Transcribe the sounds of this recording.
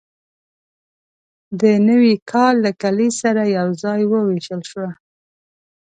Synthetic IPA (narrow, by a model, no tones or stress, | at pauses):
d̪ənəwikʰɑlːakalisaɾajawzɑjwəwiʃəlʃwa